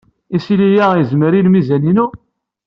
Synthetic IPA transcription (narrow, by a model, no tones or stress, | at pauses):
isilijæjəzməɾilmizæninu